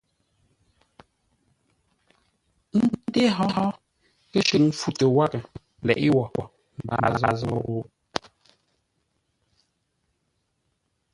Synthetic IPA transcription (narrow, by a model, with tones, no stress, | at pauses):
n̩˦de˦ɦɔ˦ɦɔ˦ | kɛ˦ʃə˨k̚fu˦te˨wa˦kɛ˨ | lɛ̰˨ʔi˦wɔ˨ɔ˨ | m˨ba̰˨za˨zɔ̰˦o˦